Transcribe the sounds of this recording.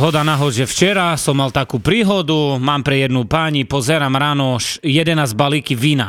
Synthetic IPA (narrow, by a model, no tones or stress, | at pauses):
ɦɔd̪anaɦɔʒɛft͡ʃɛɾasɔmːalt̪akuːpɾiːɦɔd̪umaːmpɾɛjɛd̪nupaɲipɔzɛɾaːmɾaːnɔʃjɛd̪ɛnaːzbaliːkiʋiːna